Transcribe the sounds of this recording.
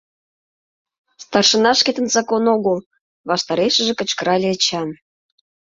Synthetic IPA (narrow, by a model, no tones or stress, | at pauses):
st̪ɑrʃə̆nɑʃket̪ə̆nzɑkonoɣəlˠ | βɑʃt̪ɑɾeʃə̆ʒĕkə̆t͡ɕkəɾɑlʲeət͡ɕɑn